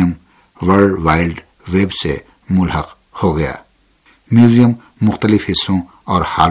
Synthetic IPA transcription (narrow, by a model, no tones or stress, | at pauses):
əm | wəɾɖʋaːɪlɖ | ʋeːbsḛ | mʊlɦəq | hoɡɐja̰ː | mjuzijəmː | ʊxt̪əlɪfhɪsːõ | ɔːɾhaːl